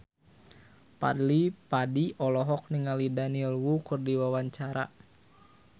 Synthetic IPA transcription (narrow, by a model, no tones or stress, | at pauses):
pa̰dlipadiɔlɔɦɔk̚niŋalidanilwukɨrdiwawaɲt͡ʃaɾa̰